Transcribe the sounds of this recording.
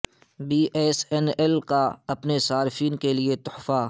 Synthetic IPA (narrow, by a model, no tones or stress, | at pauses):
biːʔɛːsɛnɛlkaɐpnesaːɾfiːnkeliet̪ʊħfa